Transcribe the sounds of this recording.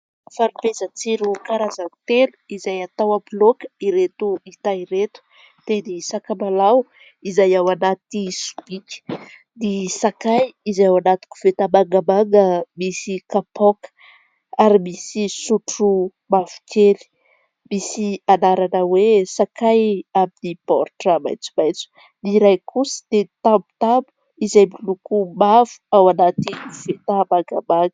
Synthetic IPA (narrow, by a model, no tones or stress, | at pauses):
faɾivezət͡siɾukaɾazanit̪enu̥izajat̪awablokiɾet̪uit̪aiɾet̪u̥ | t̪enisakamalaw | izajawanat̪isu̥b̥ikʲə̥ | nisakajizawanat̪u̥ku̥v̥et̪amaŋɡəmaŋɡəmisikapɔk | aɾimisisuʈ͡ʂu | mavu̥kʰeli̥ | misianaɾanəwesakajaminipɔ̰rʈ͡ʂama̰jt͡su̥majt͡su̥ | niɾajkʰusə̥d̪̥et̪ambu̥t̪ambu̥ | izajmilukumav̥u̥awanat̪iv̥et̪amaŋɡamaŋə̥